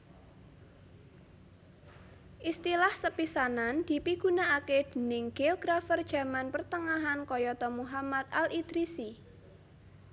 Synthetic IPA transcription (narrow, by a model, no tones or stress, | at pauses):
ʔist̪ilahsəpisanand̪̥i̤piɡ̥ṳnaaked̪̥i̤nɪŋɡ̥eɡ̥ɾafərd̥ʒ̥a̤manpərt̪əŋaɦankɔjɔt̪ɔmuɦamat̪̚alʔid̪̥ɾisi